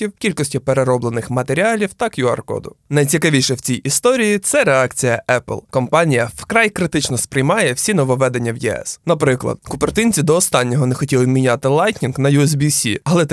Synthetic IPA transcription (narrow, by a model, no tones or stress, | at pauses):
iwkʲilʲkɔsʲtʲʊpeɾe̞ɾɔblˠenɪxmɐt̪eɾʲialʲiwt̪ɑkjuɐ̰rkɔ̰d̪ʊ̰nɐjt͡sʲikɐʋʲijʃɛwt͡sʲijist̪ɔɾʲijit̪sɛɾe̞ɑkt͡sʲijɐɛplˠkɔmpɑnʲijɐfkɾɑjkɾɪt̪ɪt͡ʃnɔspɾɪjmɑjɛwsʲinɔʋɔʋɛd̪e̞nʲːɐwjɛɛ̰snɐpɾɪklˠɐ̰d̪kʊpert̪ɪnʲt͡sʲid̪ɔːst̪ɑnʲːɔɦɔnexɔtʲilˠɪmʲinʲat̪ɪlˠɑjtʲnʲinknɐjuɛsbʲisʲḭɐlˠɛ